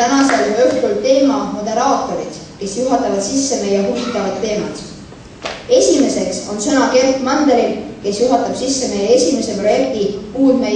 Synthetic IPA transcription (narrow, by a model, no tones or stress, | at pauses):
t̪ænɑselmyht̪kult̪e̞ːmɑmo̞d̪̥e̞ɾɑːt̪ːˑo̞ɾit̪ | ke̞sjuɦɑt̪ːˑɑvɑd̪̥sisːe̞mejɑɦuvit̪ːˑɑvɑd̪̥ːe̞ːmɑt̪ | e̞sʲime̞se̞kso̞nsɤnɑke̞rkmɑnd̪eɾilke̞sjuɦɑt̪ːˑɑb̥sisːemeje̞sʲime̞se̞pro̞je̞k̚t̪ikuːlme